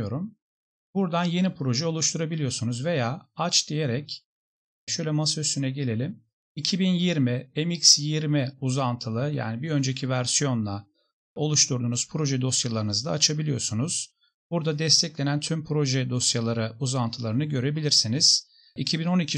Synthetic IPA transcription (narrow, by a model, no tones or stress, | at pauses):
o̞ɾum | buɾd̪anje̞nipʰɾo̞ʒɛo̞lˠuʃt̪ʰuɾabilʲijo̞ɾsunuzve̞jaːat͡ʃd̪ije̞ɾɛc | ʃø̞jlʲɛmasysynɛɟe̞lʲe̞lʲim | icʰibinjiɾmiemicsjiɾmiuzant̪ʰɯlˠɯja̰ːnibiø̞nd͡ʒe̞cʰivæɾsijo̞nlˠa | o̞lˠuʃt̪ʰuɾd̪uːnuz̥pʰɾo̞ʒɛd̪o̞sjalˠaɾɯnɯzd̪aːt͡ʃʰabilʲijo̞ɾsunuz̥ | buɾd̪ad̪ɛst̪ʰɛclʲe̞nænt̪ʰympʰɾo̞ʒɛd̪o̞sjalˠaɾɯuzant̪ʰɯlˠaɾɯnɯɟø̞ɾe̞bilʲiɾsiniz̥ | icʰibino̞nicʰi